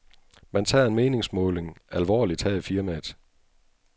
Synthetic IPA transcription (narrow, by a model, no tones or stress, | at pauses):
mænt͡sʰɑ̰ːe̝nme̝ːne̝ŋsmɔ̽ːle̝ŋælʋɒ̰ːlid̥hæːifiɐmæd̥